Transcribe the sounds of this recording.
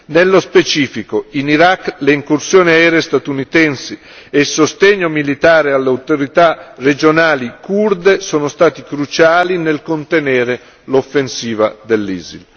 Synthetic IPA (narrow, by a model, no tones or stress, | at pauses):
nelːospet͡ʃiːfikoiniɾakːleiŋkursjoːniaɛːɾeest̪at̪unit̪ɛnsi | elsost̪eɲːomilit̪aːɾealːeawt̪oɾit̪ared͡ʒonaːlikurd̪esoːnost̪aːt̪ikɾut͡ʃaːlinelkont̪enɛːɾe | lofːensiːvad̪elːiːzil